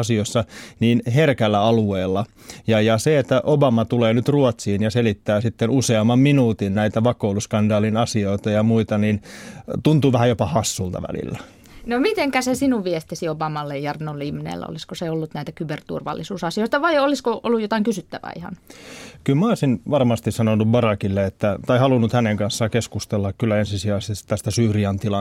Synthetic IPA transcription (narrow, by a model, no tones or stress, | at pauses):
ɑsiosːɑniːnɦerkælːæɑlueːlːɑjɑjɑseet̪ːæʔobɑmɑt̪uleːnyt̪ruɑt̪siːnjɑselit̪ːæːsit̪ːenuseɑmːɑmminuːt̪innæit̪æʋɑkouluskɑndɑːlinɑsioit̪ɑjɑmuit̪ɑnint̪unt̪uːʋæhæjopɑhɑsːuːlt̪ɑ̰ʋæ̰lḭlːæ | nomit̪eŋkæsesinuʋʋiest̪isiobɑmɑlːejjɑrnolːeimːinḛlːæ̰o̰liskoseolːut̪næit̪ækybert̪ṵrʋɑ̰lːisuːsɑsioit̪ɑʋɑioliskoʔo̰lːujjot̪ɑiŋkysyt̪ːæʋæ̰ḭhɑ̰nkylmæosinʋɑrmɑst̪issɑnonuʋbɑrɑkilːeet̪ːæt̪ɑihɑlunːut̪hæneŋkɑnsːɑkeskust̪elːɑkkylːˑæensisiæːsist̪t̪æst̪æsyːriɑnt̪ilɑ